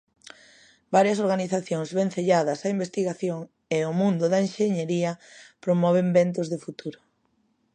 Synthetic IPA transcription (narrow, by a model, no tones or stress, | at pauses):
baɾjɐsoɾɣaniθaθjoŋzβẽn̟θeʎaðɐsɐimbest̪iɣaθjoŋ | eʊmũnd̪ʊðɐenʃeɲeɾiɐpɾomɔβ̞embent̪ʊzðefut̪uɾʊ